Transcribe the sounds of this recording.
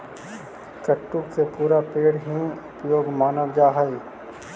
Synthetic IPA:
kɐʈːuksepuːɾapeːɽɦĩʊpjoːɡmaːnəʋd͡ʒaːɦai

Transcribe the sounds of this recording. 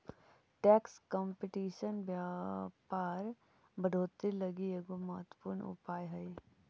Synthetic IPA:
ʈɛːkskɔmpɪʈiːʃənbjaːpaːɾ | bɐɖʱoːt̪ilɐɡieːɡomɐɦət̪wə̥puːɾnʊ̰paːjɦɐi

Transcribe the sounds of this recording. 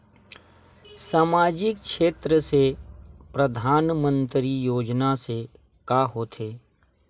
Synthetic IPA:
saːmaːd͡ʒɪk̚kʰʃeːt̪ɾəsepɾəd̪ʱaːnmə̃nt̪ɾijoːd͡ʒnase | kaːɦoːt̪ʰeː

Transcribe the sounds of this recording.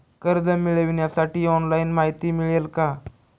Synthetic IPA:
kəɾd̪əmiɭəʋɳjasaʈiːɔnlainmaɦit̪iːmiɭelka

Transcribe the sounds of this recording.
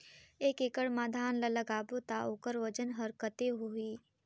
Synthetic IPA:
eːkekəɽmaːd̪ʱaːnlɐlɐɡaːbot̪aːoːkəɾʋɐd͡ʒənɦɐɾkət̪eɦoiː

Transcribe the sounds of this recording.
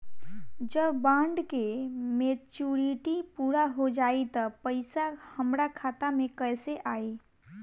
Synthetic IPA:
d͡ʒəbbãɳɖkemet͡ʃuɾiʈipuɾaɦod͡ʒait̪əpəɪsahəmɾakʰat̪amekəjseʔaːi

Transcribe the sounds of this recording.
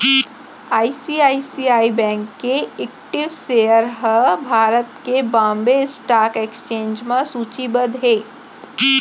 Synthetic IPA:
aːisiaːisiːaːibɛ̃ːŋkːeeːkʈɪʋseːəɾɦəbʱaːɾət̪kebãːmbesʈaːkeːkst͡ʃẽːɲd͡ʒmẽsuːt͡ʃibəd̪ɦeː

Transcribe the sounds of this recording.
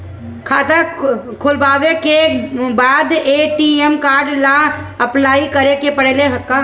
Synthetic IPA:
kʰaːt̪akʰʊlbaːʋekebaːd̪eːʈiːɛmkaːɾɖlaɐplaːikɐɾekepəɽ̤eleɦɐkːaː

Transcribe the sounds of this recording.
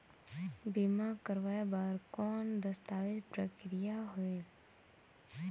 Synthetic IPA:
bimakəɾʋaːjabaːɾkɔːnd̪əst̪aːʋɪpɾəkɾijaɦʊe

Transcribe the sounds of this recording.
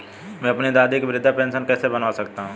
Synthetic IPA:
mɛ̃ːəpned̪aːd̪ɪkbɪɾɪd̪ʱːapɛ̃ːnʃənkɛːsebənaːsəkt̪aɦũː

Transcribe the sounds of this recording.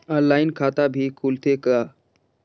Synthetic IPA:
alajnkʰat̪abʱikʰult̪ʰeka

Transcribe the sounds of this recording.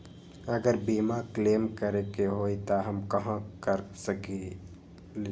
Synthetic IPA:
ɐɡəɾbiːmakleːmkəɾekeɦoːit̪aɦɐmkɐɦãkəɾsəke | l

